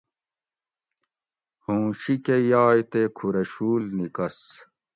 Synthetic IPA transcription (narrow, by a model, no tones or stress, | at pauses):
hõːɕikejaːjt̪ekʰuɾɐɕuːlnikɐs